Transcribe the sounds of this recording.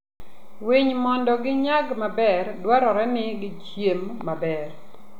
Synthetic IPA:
wiɲmɔndɔɡɪɲaɡmabɛrdwaɾɔɾɛnɪɡɪkjemːabɛr

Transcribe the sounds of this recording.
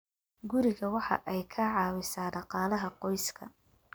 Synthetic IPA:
ɡʊɾɪɣɐwɑħɑ̰ʔɛjkʰɐʕɑːwɪsaːɖɑqɑːlɐɦɐqɔjskʰɐ̰

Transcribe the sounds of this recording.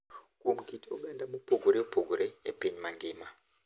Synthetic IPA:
komukitioɡandamupʰoɡuɾeupʰoɡʱuɾeḛpeɲimaŋɡeːma

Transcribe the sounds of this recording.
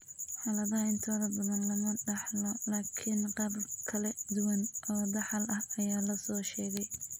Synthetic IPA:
ħɑːlɐðɐɦɐɪnt̪ʰɔːðɐbɐðɐnlɐmɐɖɑħlɔlaːkʰɪnqɑːbkʰɐlɛd̪ʊwɐnʔɔːd̪ɑħɑlʔɐhɐjaːlɐsɔːʃɛːɣɛj

